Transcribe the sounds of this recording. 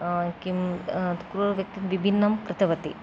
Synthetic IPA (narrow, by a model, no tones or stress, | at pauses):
kimkɾuɾʋjɐk̚t̪imʋibʱinːɐmkɾɪt̪ɐʋɐt̪i